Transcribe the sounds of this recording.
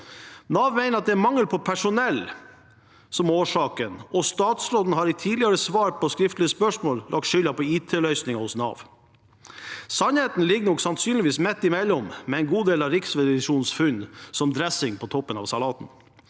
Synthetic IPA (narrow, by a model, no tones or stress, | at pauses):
nɑːʋmæɪnəɾɑt̪̚d̪ɛæmɑŋːəlpʰɔpʰæʂʊnɛl | sɔmoːʂɑːkənɔst̪ɑːt̪sɾoːd̪n̩hɑɾɪt̪ʰiːdlɪɑɾəsʋɑːɾpʰɔskɾɪft̪lɪəspœʂmoːlːʔɑ̰k̚t̪ʃʏlɑpɔiːt̪ʰeːlœʏsnɪŋɑhʊsnɑ̰ːʋ | sɑnheːt̪n̩lɪɡənɔksɑnsyːnlɪʋiːsmɛt̪ːɪmɛlːɔmmɛɛɪnɡuːd̪eːlɑʋɾɪksʋɛd̪ɪʂuːnsfʉnsɔmd̪ɾɛsɪŋpʰɔt̪ʰɔpːənɑ̰ʋsɑlɑːt̪n̩